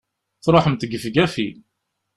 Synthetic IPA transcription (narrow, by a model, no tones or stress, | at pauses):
θɾˤoħəmt̪ɡəfɡæfil